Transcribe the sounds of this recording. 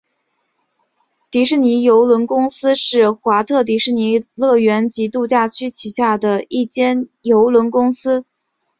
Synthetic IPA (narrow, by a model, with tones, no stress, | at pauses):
t̪i˧˥ʂɻ̩˥˩ni˧˥jo˧˥ʊlwə˧˥nkʊ˥ŋsɹ̩˥ʂɻ̩˥˩xwa˧˥t̪ʰɤ˥˩t̪̬i˧˥ʂɻ̩˥˩ni˧˥lɤ˥˩ɥɛ˧˥nt͡ɕi˧˥t̪u˥˧t͡ɕja˥˩t͡ɕʰy˥t͡ɕʰi˨˩ɕja˥˩d̪ə˩i˥˩t͡ɕjɛ˥njo˧˥ʊlwə˧˥nkʊ˥ŋsɹ̩˥